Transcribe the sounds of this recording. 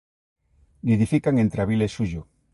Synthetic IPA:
neðifikaŋent̪ɾeaβilesːuʝo

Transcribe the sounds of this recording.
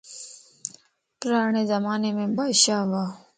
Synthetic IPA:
pɾaːɳezɐmaːnemẽbaːɕaːʋaː

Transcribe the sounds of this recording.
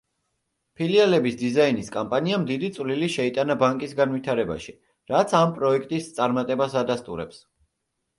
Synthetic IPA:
pʰilialɛbisd̪izainiskʼampʼaniamd̪id̪it̪sʼvliliʃɛit̪ʼanabaŋkʼisɡanvit̪ʰaɾɛba̰ʃi | ɾat̪sʰampʼɾɔɛkʰt̪ʼist̪sʼaɾmat̪ʼɛbasad̪ast̪ʼṵɾɛ̰ps

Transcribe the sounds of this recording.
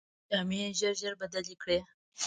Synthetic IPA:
ameʒəɾʒəɾbad̪alikɽe

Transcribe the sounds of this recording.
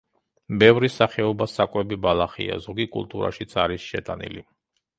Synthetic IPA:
bɛvɾisaχɛɔbasakʼwɛbibalˠaχḭa̰zɔɡikʼṵlˠt̪ʼuɾa̰ʃit̪sʰaɾisʃɛt̪ʼanḭli

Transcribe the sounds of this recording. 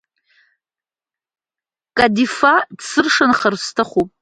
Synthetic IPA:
kʼadifadsɨrʂanχarstʰaχupʼ

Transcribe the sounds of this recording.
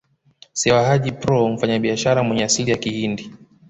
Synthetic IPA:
sɛwahaʄipɾɔm̩faɲaɓiaʃaɾamwɛɲɛasilijakihindi

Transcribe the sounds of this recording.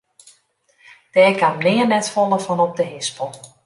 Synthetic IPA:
d̥ɛːkʰamnɪːənɛtfɔlˠəfɔnɔp̚dəɦɪspəlˠ

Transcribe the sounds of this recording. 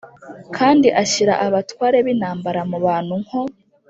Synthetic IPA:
kʰaːndiʔaɕiɾa̰ʔaβatwaːɾe̞βinaːmbaɾamuβaːn̥huŋ̥ho

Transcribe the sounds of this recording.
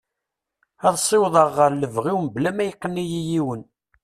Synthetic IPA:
ɑðˤsˤːɪwðˤəʁːəɾləvʁiwmblæmæjqːənːijijiwən

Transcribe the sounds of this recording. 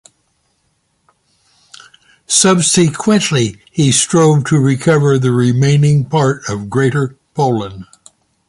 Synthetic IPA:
sʌbsɨkʰwɨ̃nʔli | istɹ̥oʊvtʰɨɹɪkʰʌvə˞ðɨɹɪmẽɪ̃nɪ̃ŋpʰɑɹɾʌvɡɹeɪɾə˞pʰoʊlˠə̃n

